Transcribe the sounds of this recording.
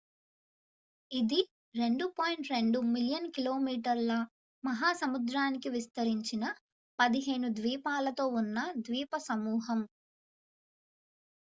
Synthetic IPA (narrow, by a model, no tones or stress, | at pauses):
id̪i | ɾe̞ɳɖupoːjɳʈɾe̞ɳɖumiljɐnkiloːmiːʈɐɾlɐ | mɐɦaːsɐmud̪ɾaːnikiʋist̪ɐɾiɲt͡ʃinɐ | pɐd̪iɦeːnud̪ʋiːpaːlɐt̪o̞ːunːɐd̪ʋiːpɐsɐmuːɦɐm